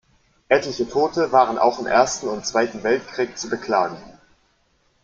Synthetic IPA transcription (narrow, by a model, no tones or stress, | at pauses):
ʔɛtlɪçətʰoːtəvaːʁənʔa̰ʊxɪmʔḛːɐstn̩ʊntt͡sv̥aɪtn̩vɛltkʁ̥iːk̚t͡subəkʰl̥aːɡŋ̩